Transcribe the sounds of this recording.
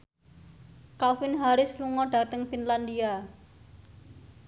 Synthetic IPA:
kalfɪnɦaɾɪsluŋɔɖ̥ä̤t̪əŋfinland̪ia

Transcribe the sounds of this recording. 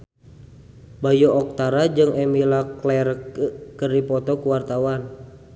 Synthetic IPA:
bajɔʔɔk̚t̪aɾad͡ʒɨŋɛmilaklɛrkəripɔt̪ɔkuwart̪awan

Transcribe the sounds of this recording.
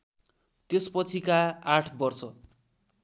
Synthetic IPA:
t̪espʌt͡sʰikaaʈʰbʌrsʌ

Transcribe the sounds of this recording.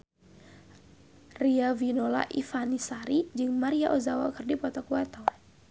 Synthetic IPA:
riavinola̰ʔifanisaɾid͡ʒɨŋmaɾiaʔozawa̰kɨrdipɔt̪ɔkuat̪ɔw

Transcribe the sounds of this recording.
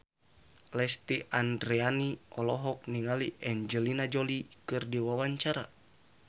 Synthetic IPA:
lɛst̪iʔandɾɛaniɔlɔɦɔk̚niŋaliʔɛɲd͡ʒəlinad͡ʒɔlikɨrdiwawaɲt͡ʃaɾa̰

